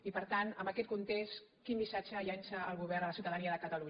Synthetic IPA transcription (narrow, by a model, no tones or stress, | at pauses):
ipəɾt̪anəmbəkɛt̪̚kunt̪est̪kimbisat͡ʃəjansəːlˠɣuβɛɾrnələsiuwt̪əðəniəðəkət̪əlu